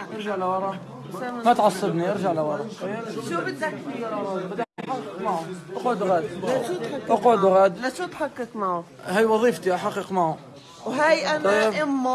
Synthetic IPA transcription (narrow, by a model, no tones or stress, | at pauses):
ʔɑɾʒaʕlawɑɾˤɑ | mat̪ʕɑsˤːɨd̪niʔɑɾʒaʕlawɑɾˤɑʃubɪd̪akibɪd̪aʔħaqːɪqmaʕʊʔɑqʕd̪ɣaːd̪aʃut̪ħaʔɑqʕd̪ɣaːd̪laʃut̪ħɑqːɪkmaʕʊ | hajwɑðˤiːft̪iʔaħɑqːɪqmaʕʊ | wɦajʔanːɪmːa